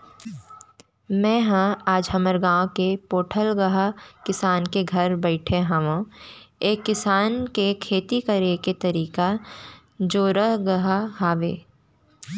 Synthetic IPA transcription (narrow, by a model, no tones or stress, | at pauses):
mɛ̃ːɦãaːd͡ʒɦɐməɾɡãːõkepoːʈʰəlɡɐɦakɪsaːnkeɡʱɐɾbɛɪʈʰeɦãʋõeːkːɪsaːnkekʰeːt̪ikɐɾeket̪ɐɾiːka | d͡ʒoːɾəɦɡɐɦaɦaːʋḛː